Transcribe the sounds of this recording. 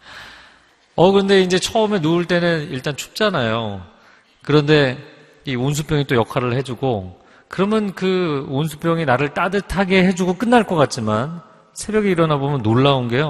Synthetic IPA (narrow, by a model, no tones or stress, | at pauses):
ʌkɯɾʌnde̞ind͡ʑe̞t͡ɕʰʌʌme̞nuːɭt͈e̞nɯniɭt͈ant͡ɕʰu̥p̚t͡ɕ͈anajo | kɯɾʌnde̞ | ions̬ʰupʰjʌŋit͈ojʌkʰaɾɯɭhe̞d͡ʑuɡo | kɯɾʌmjʌnkɯonsʰu̥p͈ʰjʌŋinaɾɯɭt͈adɯtʰaɡe̞ɦe̞d͡ʑuɡok͈ɯnːaɭk͈ʌk͈at̚t͡ɕ͈iman | sʰe̞bjʌɡiiɾʌnabomjʌnːoɭːaonɡe̞jo